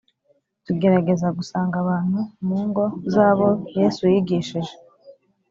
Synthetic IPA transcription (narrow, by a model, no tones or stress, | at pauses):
tuɡe̞ɾaɡe̞zaɡusaːŋɡaβaːn̥humuːŋɡo̞zaːβo̞je̞sujiɡiʃiʒe̞